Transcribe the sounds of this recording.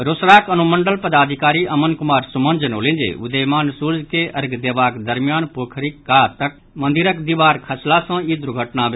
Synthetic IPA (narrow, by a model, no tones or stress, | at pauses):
ɾʊsɾaːkɐnumə̃ɳɖəlpɐd̪aːd̪ʱɪkaːɾiʔɐmənkʊmaːɾsʊmə̃nd͡ʒənoːlẽːd͡ʒḛːʊ̰d̪eːmaːnsuɾd͡ʒkeʔɐɾɡd̪eːʋaːkd̪əɾmɪjaːnpoːkʰɾikːaːt̪ɐk̚ | mɐ̃nd̪ɪɾəkd̪iʋaːɾkʰɐslasɐ̃id̪ʊɾɡʱəʈnaʋ